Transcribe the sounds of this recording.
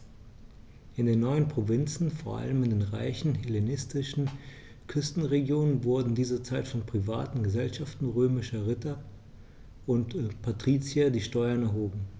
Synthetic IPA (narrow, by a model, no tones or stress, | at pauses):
ʔɪndeːnːɔʏənpʁ̥ovɪnt͡sn̩foːɐʔa̰ləmɪndeːnʁa̰ɪçn̩ɦelenɪstɪʃn̩ | kʰʏstn̩ʁeɡjoːnənvʊɐdn̩diːzɐt͡saɪtfɔnpʁ̥iva̰ːtn̩ɡəzɛlʃaftn̩ʁøːmɪʃɐʁɪtɐ | ʊntpʰatʁ̥iːt͡sjadiːʃtɔʏɐnɛɐɦoːɡŋ̩